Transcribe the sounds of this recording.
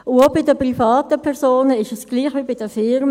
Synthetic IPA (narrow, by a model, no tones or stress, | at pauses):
ʔʊobɪdəpʁifɑːt̪əpʰɛʁsoːnəɪʃəsɡ̥liːχʋibid̥əfɪɾm